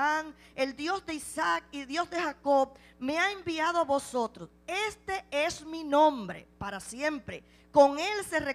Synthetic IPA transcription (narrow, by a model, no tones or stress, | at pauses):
aŋ | e̞ld̪jo̞sd̪e̞isak̚ilðjo̞zðe̞hako̞β | me̞aembiað̞o̞aβo̞so̞t̪ɾose̞st̪e̞e̞sminõ̞mbɾe̞̰paɾasje̞mpɾe̞ | ko̞ŋe̞lse̞re